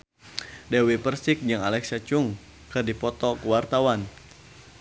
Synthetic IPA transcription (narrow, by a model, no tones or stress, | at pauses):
dɛwipərsɪk̚d͡ʒɨŋalɛksat͡ʃuŋ | kɨrdipɔt̪ɔkuwart̪awan